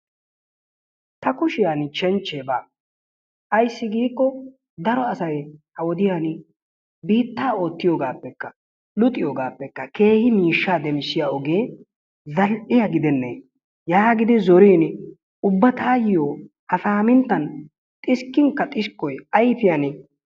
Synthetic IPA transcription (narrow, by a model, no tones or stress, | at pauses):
t̪ɐkʊʃɪjaːnt͡ʃɛnt͡ʃːeːbaː | ʔɐjsːɪɡiːkːɔ | d̪ɐɾɔɐsɐjhɐwɔd̪ɪjan | biːt̪ːaːo̞ːt̪ːɪjoːɡaːpːɛkːɐ | lʊt̪ʼːɪjoːɡaːpːɛkːɐke̞ːhɪmiːʃːaːd̪ɛmsɪjaɔɡeː | zɐlʔɪjɐɡɪd̪ɛnːe | jaːɡɪd̪ɪzɔɾiːn | ʊbːɐt̪ʰaːjɪjoː | hɐfaːmɪnt̪ːɐn | t̪ʼɪskːɪŋkːɐt̪ʼɪskːɔjɐjpɪjan